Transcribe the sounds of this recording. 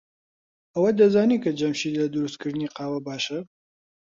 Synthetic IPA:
ɐwɐd̪ɐzaːniːkʰɐd͡ʒɐmʃiːlɐd̪ʊɾust̪̚kʰɨɾd̪ɨniqɑːwɐbaːʃɐ

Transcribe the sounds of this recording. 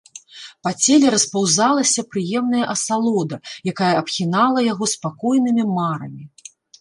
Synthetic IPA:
pat͡sʲelʲɛɾɐspawzalˠɐsʲɐpɾɨjɛmnɐjɐʔɐsalˠɔd̪ɐjakajɐɐpxʲinalˠɐjaɣɔspakɔjnɨmʲimaɾɐmʲi

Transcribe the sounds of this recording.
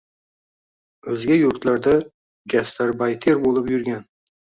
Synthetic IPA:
ɵzɡʲajʊɾt̪laɾd̪a | ɡʲast̪aɾbajt̪ʰeɾbolˠɪpjʊɾɡʲan

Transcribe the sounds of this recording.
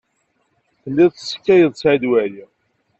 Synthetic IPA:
θəlːiðˤə̥sːə̥kːæjəðˤsʕd̪wæji

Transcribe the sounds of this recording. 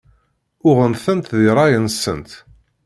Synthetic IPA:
ʊʁənθənt̪ðiɾˤɑjənsə̰nt̪

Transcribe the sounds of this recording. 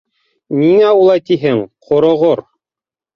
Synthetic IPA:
niŋæulˠɑjt̪iɦɘŋqʰŏɾŏʁoɾ

